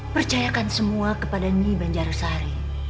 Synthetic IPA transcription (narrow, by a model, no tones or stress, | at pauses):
pərt͡ʃajakansəmuakəpadaɲibaɲd͡ʒaɾsaɾi